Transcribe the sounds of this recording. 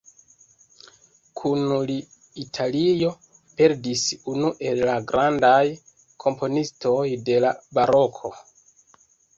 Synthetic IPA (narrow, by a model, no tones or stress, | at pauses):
kʰunli | itʰalijo̞ | pe̞ɾdisunuʔe̞lːaɡɾʔandaj | kʰo̞mpo̞nisto̞jde̞labaɾo̞kʰo̞